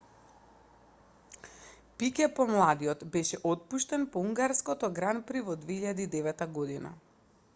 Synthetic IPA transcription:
pikɛpɔmlˠad̪iɔt̪bɛʃɛʔɔt̪̚puʃt̪ɛnpɔuŋɡaɾskɔt̪ɔɡɾanpɾivɔd̪veiʎad̪iːd̪ɛvɛt̪aɡɔd̪ina̰

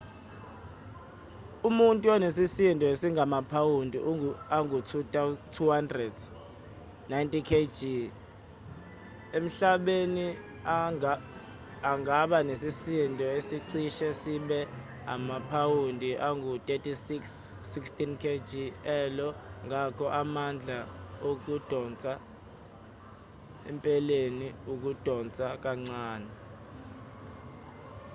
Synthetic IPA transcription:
umuntʼuɔnesisintʼɔesiŋɡʱamapʰawundʱiaŋɡʱutʰuttʰuhandrɛd | najntʼikʰed͡ʒi | em̩ɬaɓeni | aŋɡʱaɓanesisintʼɔesiǀiʃɛsiɓɛ | a̰mapʰawundʱiʔaŋɡutʼetʰʼisiksː | ikstʰʼinkʰed͡ʒʱiɛlɔŋakʰɔʔamand͡ɮʱaok̬ud̥ʱɔnt͡sʼa | ɛmpʼɛleniuk̬ud̥ʱɔnt͡sʼak̬aŋ͡ǀaːnɛ

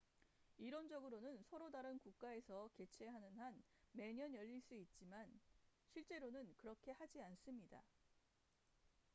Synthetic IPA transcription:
iɾond͡ʑʌɡɯɾonɯnsʰʌɾodaɾɯnkuk̚k͈ae̞sʰʌke̞t͡ɕʰe̞ɦanɯnhan | me̞ɲʌnjʌʎːiɭs͈uit̚t͡ɕ͈imanɕʰiɭt͡ɕ͈e̞ɾonɯnkɯɾʌkʰe̞had͡ʑians͈ɯmɲida̰

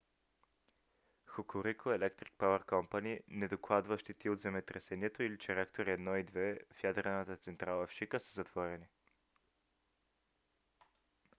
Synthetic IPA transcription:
xokoɾikʰoɛlɛkt̪ɾi̥k̚pavəɾkɔmpaninɛd̪oklˠad̪vəʃt̪it̪iod̪zɛmɛt̪ɾɛsɛniɛt̪oilit͡ʃɛɾakt̪oɾiɛd̪nɔid̪vɛfjad̪ɾɛnət̪ət̪sɛnt̪ɾalˠəfʃikəsə̥zɐt̪v̥ɔɾɛni

